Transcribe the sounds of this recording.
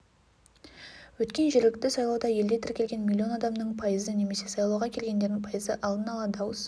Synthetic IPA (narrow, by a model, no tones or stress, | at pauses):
wɵt̪kʲe̞nʒɪɾlɪk̚t̪ɪsɑjlˠɑwd̪ɑje̞ld̪e̞t̪ʰɪɾkʲʰlʲɡʲe̞nmʲilʲːio̞nɑd̪ɑmnəɴpʰɑjəzəne̞me̞se̞sɑjlˠɑwʁɑkʲʰe̞lɡʲe̞nd̪e̞ɾd̪ɪŋpʰɑjəzəʔɑlˠd̪ənɑlˠɑd̪ɑwəs